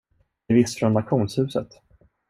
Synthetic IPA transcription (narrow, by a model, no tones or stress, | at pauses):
ɾvɪst̪fɾɔnːat̪ɧuːnshʉ̟ːsə̰t̪